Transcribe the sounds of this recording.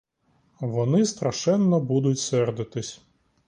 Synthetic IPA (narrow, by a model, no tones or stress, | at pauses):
ʋɔnɪst̪ɾɐʃɛnːɔbud̪ʊtʲsɛrd̪ɪt̪ɪsʲ